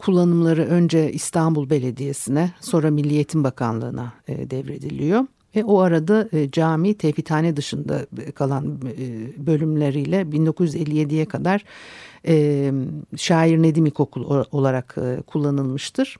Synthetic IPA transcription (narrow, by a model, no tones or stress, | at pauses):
kʰulˠːanɯmlˠaɾɯʔø̞nd͡ʒɛist̪ʰanbulˠbe̞lʲe̞d̪ije̞sinɛso̞nɾamilʲːije̞t̪ʰimbakʰa̰nlˠɯ̰ːnʔaɯ̰d̪ɛvɾe̞d̪ilʲijo̞ | vɛoaɾad̪ad͡ʒaːmiːt̪ʰefit̪ʰaːnɛd̪ɯʃɯnd̪a̰kʰalˠan | bø̞lʲymlʲe̞ɾijlʲɛbind̪o̞kʰuzjyze̞lʲːije̞d̪ijɛkʰad̪aɾ̥ | ʃaːiɾne̞d̪imikʰo̞kʰulˠo̞lˠaɾakːkʰulˠːanɯlˠmɯʃt̪ʰɯɾ̥